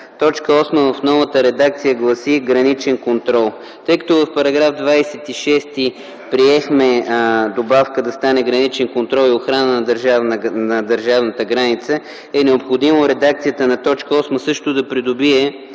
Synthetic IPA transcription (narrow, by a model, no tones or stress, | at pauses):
t̪ɔt͡ʃkəɔsməvɐfnɔvət̪əɾɛd̪ak̚t̪sijəɡlˠɐsiɡɾɐnit͡ʃɛnkont̪ɾɔlˠ | t̪ɤjkɐ̥t̪ovɐfpɐɾɐɡɾafd̪vajsɛt̪iʃɛst̪i | pɾiɛxmɛd̪obafkəd̪ɐst̪anɛɡɾɐnit͡ʃɛnkont̪ɾɔlˠioxɾanənɐɾʒanɐd̪əɾʒavnət̪əɡɾanit̪sə | ɛnɛopxod̪imoɾɛd̪ak̚t̪sijət̪ənɐt̪ɔt͡ʃkəɔsməsɤʃt̪ʊd̪ɐpɾid̪obiɛ